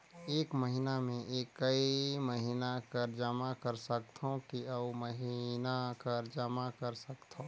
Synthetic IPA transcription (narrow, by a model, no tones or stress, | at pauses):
eːkməɦinamẽʔeːkːɐiməɦinakəɾd͡ʒəmakəɾsəkt̪ʰɦõkiəməɦinakəɾd͡ʒəmakɐɾsəkt̪ʰõ